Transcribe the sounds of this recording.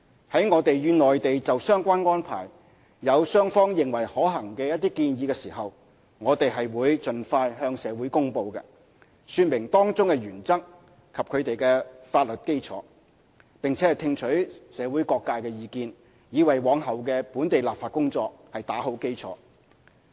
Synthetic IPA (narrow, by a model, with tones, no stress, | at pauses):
hɐ˨˥jŋɔː˨˧t̪e˨jjyː˨˧nɔː˨˩jt̪e˨jt͡sɐ˨wsœː˥ŋkʷaː˥nŋɔː˥npʰa̰ː˨˩j | jɐ˨˧wsœː˥ŋfɔː˥ŋjɪ˨ŋwɐ˨˩jhɔː˨˥ɦɐ˨˩ŋkɛː˧jɐ˥t̚t̪iː˥kiː˧njiː˨˧kɛː˧siː˨˩ɦɐ˨w | ŋɔː˨˧t̪e˨jɦɐ˨jwuː˨˧jt͡sɵ˨nfaː˧jhœː˧ŋsɛː˨˧wuː˨˥jkʊ˥ŋpo˧wkɛ̰˧ | syː˧tn̚mɪ˨˩ŋt̪ɔː˥ŋt͡sʊ˥ŋkɛ˧ɥyː˨˩nt͡sɐ˥k̚ | kʰɐ˨p̚kʰɵ˨˧ɥt̪e˨jkɛː˧faː˧t̚lɵ˨t̚ke˥jt͡sʰɔ̰ː˨˥ | pɪ˨˩ŋt͡sʰɛː˨˥ɐ˨˩jt̪ʰɪ˧ŋt͡ʃʰɵ˨˥ɥsɛː˨˧wuː˨˥jkɔː˧kːaː˧jkɛ˧jiː˨˧kiː˧n | jiː˨˧wɐ˨˩jwɔː˨˧˥ŋɦɐ˨wkɛː˧puː˨˥nt̪e˨jlaː˨pfaː˨t̚kʊ˥ŋt͡sɔː˧k̚hɐ˨jt̪aː˨˥ɦo˨˥wke˥jt͡sʰɔ̰ː˨˥